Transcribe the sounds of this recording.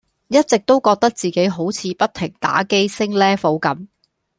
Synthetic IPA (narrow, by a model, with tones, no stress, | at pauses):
jɐ˥t̚t͡sɪ˨k̚t̪o˥wkɔː˧k̚t̪ɐ˥k̚t͡siː˨ke˨˥jɦo˨˥wt͡sʰiː˨˧pɐ˥t̚t̪ʰɪ˨˩ŋt̪a̰ː˨˥ke˥jsɪ˥ŋlɛː˥fo˨˥wkɐ˨˥m